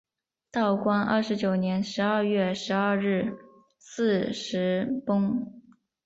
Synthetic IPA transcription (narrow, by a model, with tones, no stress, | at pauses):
t̪ɑ˥˩ʊkwa˥nə̰˥˩ʂɻ̩˧˥t͡ɕjo˨˩ʊnjɛ˧˥nʂɻ̩˧˥ɐ˥˧ɥɛ˥˩ʂɻ̩˧˥ə˥˧ɻɻ̩˥˩ | sɹ̩˥˧ʂɻ̩˧˥pʊ˥ŋ